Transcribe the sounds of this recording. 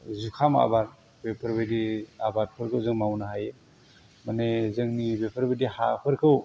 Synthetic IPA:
zukʰama̰baɾ̚ | bepʰəɾbɯjdiabat̚pʰɯɾkʰɯwzɯŋmawnaɦaje | manezɯŋnibepʰəɾbɯjdiha̰pʰɯɾkʰɯw

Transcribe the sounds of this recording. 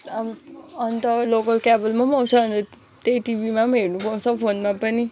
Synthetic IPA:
amʌnt̪ʌlokʌlkabʌlmamʌw̃t͡sʰʌnt̪ʌ | t̪ejʈibimameɾnupʌw̃t͡sʰʌpʰonmapʌni

